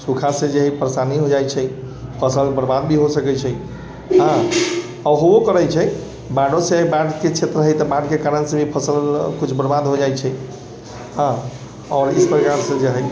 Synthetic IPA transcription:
sukʰasẽd͡ʒeɦəjpəɾəsaniɦod͡ʒajt͡ʃʰɛ | pʰəsəlbəɾbad̪̚bʱiɦosəkɛt͡ʃʰɛ | ɦã | ɔɦookəɾəjt͡ʃʰɛ | baɽosẽbaɖket͡ʃʰet̪ɾəɦəjt̪ɔbaɖkekaɾənsẽbʱipʰəsəlkut͡ʃʰbəɾbad̪ɦod͡ʒajt͡ʃʰɛ | ɦã | ɔːɾḭspɾəkaɾsẽd͡ʒeɦəj

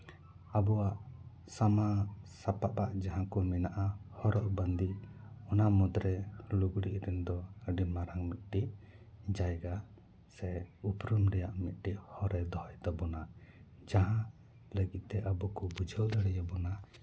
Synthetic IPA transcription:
abɔwaʔ | samasapaʔpaʔd͡ʒaɦãkɔmɛnaʔahɔɾɔʔbənd̪iɔnamɔd̪ɾɛluɡɽiʔɾɛnd̪ɔəɖimaɾaŋmit̪̚ˀʈiʔ | d͡ʒajɡa | sɛupɾumɾɛjaʔmit̪̚ˀʈiʔhɔɾɛd̪ɔhɔjd̪ɔbɔna | d͡ʒaɦã | ləɡit̪̚t̪ɛʔabɔkɔbud͡ʒʱəwd̪əɽɛjabɔna

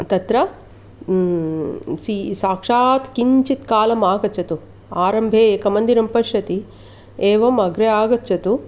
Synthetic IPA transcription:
t̪ɐt̪ɾɐ | sisaːkʂaːt̪kiɲt͡ʃit̪kaːlɐmaːɡɐt͡ʃɐt̪u | aːɾɐmbʱeːeːkɐmɐnd̪iɾɐmpɐʃɐt̪i | eːʋɐmɐɡɾeaːɡɐt͡ʃɐt̪u

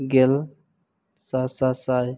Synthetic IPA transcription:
ɡel | sasasaj

